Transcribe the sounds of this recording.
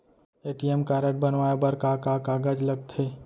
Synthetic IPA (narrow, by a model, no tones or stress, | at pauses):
eːʈiemkaːɾəʈ̚bɐnʋaːjebɐɾkakakaːɡad͡ʒlɐɡ̚t̪ʰeː